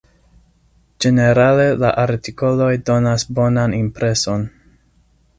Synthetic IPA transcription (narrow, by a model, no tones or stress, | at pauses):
d͡ʒe̞ne̞ɾale̞la̰ʔaɾtiko̞lo̞jdo̞nasbo̞nanimpɾe̞so̞n